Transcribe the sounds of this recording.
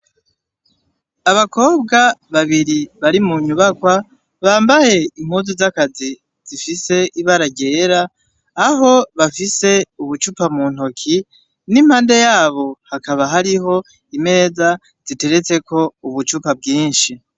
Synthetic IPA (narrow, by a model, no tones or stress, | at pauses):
aβako̞ːbɡaβaβiɾiβaɾimuɲuβakwa | βaːmbaje̞imhuzuzakazi | z̥ifise̞iβaɾaɟe̞ːɾaː | ɦo̞βafise̞uβut͡ʃupamun̥ho̞kʰi | nimhaːnde̞jaːβo̞hakaβaɦaɾiɦo̞ | ime̞ːza | z̥ite̞ɾe̞t͡se̞kʰo̞uβut͡ʃupab̚ɡiːnʃi